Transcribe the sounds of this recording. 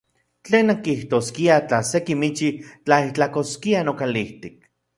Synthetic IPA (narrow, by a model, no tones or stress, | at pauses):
t͡ɬeːnːaŋkiht̪oskiat͡ɬasekimit͡ʃit͡ɬait͡ɬakoskianokaliht̪ik̚